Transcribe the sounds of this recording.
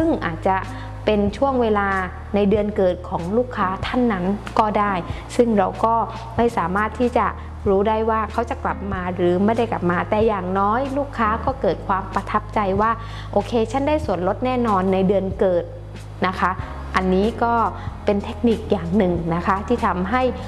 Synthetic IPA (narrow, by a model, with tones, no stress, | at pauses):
sɯ˥˩ŋʔa̰ː˨˩t̪̚t͡ɕa˨˩ | pe˧nt͡ɕʰu˥˩əŋweː˧laː˧ | na˧jdɯ˧ənkɤː˨˩t̪̚kʰɔː˩˦ŋluː˥˩kʰːaː˦˥t̪ʰa˥˩nːa˦˥nkɔː˥˩daː˥˩j | sɯ˥˩ŋɾa˧wkɔː˥˩ | ma˥˩jsaː˩˦maː˥˩t̪ʰːiː˥˩t͡ɕa˨˩ | ɾuː˦˥da˥˩jwaː˥˩kʰa˦˥wt͡ɕa˨˩kla˨˩p̚maː˧ɾɯː˩˦ma˥˩jda˥˩jkla˨˩p̚maː˧t̪ɛː˨˩jaː˨˩ŋnɔː˦˥jluː˥˩kʰːaː˦˥kɔː˥˩kɤː˨˩t̪̚kʰwaː˧mpɾa˧t̪ʰa˦˥p̚t͡ɕa˧jwaː˥˩ | ʔoː˧kʰeː˧t͡ɕʰa˥˩ndaː˥˩jsu˨˩˦ənlo˦˥t̪̚nɛː˥˩nɔː˧nːa˧jdɯ˧ənkɤː˨˩t̪̚ | na˦˥kʰa˦˥ | ʔa˧nːiː˦˥kɔː˥˩pe˧nt̪ʰe˦˥k̚ni˨˩k̚jaː˨˩ŋnɯ˨˩ŋna˦˥kʰa˦˥t̪ʰiː˥˩t̪ʰa˧mɦa˥˩j